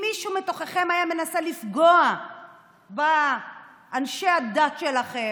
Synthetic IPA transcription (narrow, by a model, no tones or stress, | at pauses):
miʃumet̪o̞χeχemajame̞nasalifɡoa | baː | nʃe̞ad̪at̪ʃe̞laχe